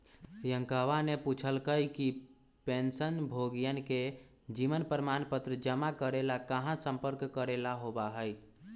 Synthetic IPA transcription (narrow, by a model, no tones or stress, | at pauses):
jəŋkəʋaneput͡ʃʰəlkəjki | pensənbʱoɡijənke | d͡ʒiʋənpɾəmanpət̪ɾəd͡ʒəmakəɾelakəɦãsə̃mpəɾkːəɾelaɦobaɦəj